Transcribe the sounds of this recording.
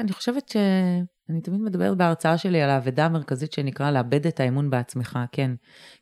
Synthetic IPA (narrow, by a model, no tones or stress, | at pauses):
aniχoʃe̞vetʃe | anit̪amid̪me̞d̪abe̞ʁet̚beaʁt͡saaʃe̞lialaːvedaːmeʁkazitʃenikʁaleabe̞detaemunbeat͡smeχake̞n